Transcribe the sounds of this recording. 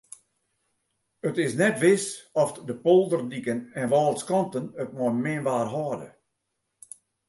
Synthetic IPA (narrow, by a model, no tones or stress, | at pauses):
ətɪsnɛtʋɪsɔfdəpolˠdərdikənɛnʋɔːlˠskɔntənət̚mɔmɪnʋaːrɦɔːdə̰